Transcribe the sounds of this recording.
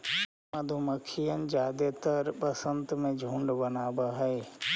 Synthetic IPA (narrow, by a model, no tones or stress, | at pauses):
məd̪ʱuməkʰijənd͡ʒaːd̪et̪əɾpəsənt̪mẽd͡ʒʱũɳɖbənaːbaɦəe